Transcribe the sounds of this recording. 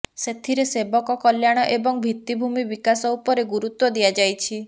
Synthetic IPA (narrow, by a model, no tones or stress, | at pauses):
set̪ʰiɾesebɔkɔkɔljaɽ̃ɔʔebɔŋbʱit̪ibʱumibikasɔupɔɾeɡuɾut̪wɔd̪iad͡ʒajt͡ʃʰi